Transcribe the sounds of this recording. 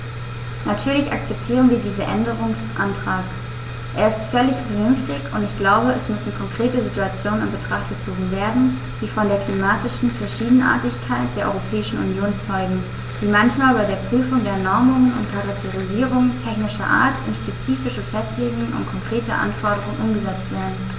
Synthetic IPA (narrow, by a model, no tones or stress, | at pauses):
natʰyːɐlɪçʔa̰k̚t͡sɛp̚tʰiːʁ̞ənviːɐdiːzɐʔɛndəʁ̞ʊŋsʔantʁ̥aːk | ʔeːɐɪstfœlɪçfənʏnftɪçʊntɪçɡ̥laʊbəɛsmʏsɪnkʰɔŋkʁ̥eːtəzituat͡sjoːnnɪmbətʁ̥aχt̚ɡ̥ət͡soːɡŋ̩veːɐdn̩ | d̥iːfɔndeːɐklimaːtɪʃn̩fɛɐʃiːdn̩ʔa̰ːɐtɪçkʰaɪt̚d̥eːɐʔɔ̰ʏʁopʰɛːɪʃn̩ṵnjoːnt͡sɔʏɡŋ̩ | d̥iːmançmaːlbaɪdeːɐpʁ̥yːfʊŋdeːɐnɔɐmʊŋənʊ̰ntkʰaʁak̚tʰeʁiziːʁ̞ʊŋtʰɛçnɪʃɐ̰ʔa̰ːɐtɪnʃpet͡siːfɪʃəfɛstleːɡŋənʔʊ̰ntkʰɔŋkʁ̥eːtə̰ʔa̰nfɔɐɾəʁ̞ʊŋənʔʊmɡəzɛt͡stv̥eːɐdn̩